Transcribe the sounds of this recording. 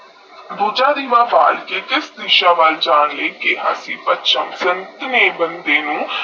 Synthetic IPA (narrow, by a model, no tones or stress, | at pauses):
boːd͡ʒaːɾiːʋaːʋa̰ːlkeːkɪsd̪ɪʃaːʋəld͡ʒaːnleːkeɦa̰ːsiːpətʃəmsənt̪neːbənd̪eːnũː